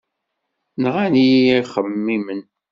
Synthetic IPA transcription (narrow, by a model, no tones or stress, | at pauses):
nʁænijiχəmːimən